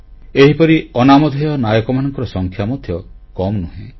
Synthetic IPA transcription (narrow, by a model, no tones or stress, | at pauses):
eɦipɔɾiɔnamɔd̪ʱjɔnajɔkɔmanɔŋkɔɾɔsɔŋkʰjamɔd̪ʱjɔ | kɔmnuɦẽ